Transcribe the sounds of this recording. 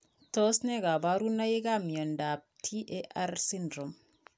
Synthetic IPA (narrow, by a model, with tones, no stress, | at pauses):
tɔ˦snɛ˦ɡa˨ba˦ɾu˦na˦je˦ɡa˦mjɔ˨nda˨p̚tʰi˦ʔeʔa˦ɾsi˦ndɾɔ˨m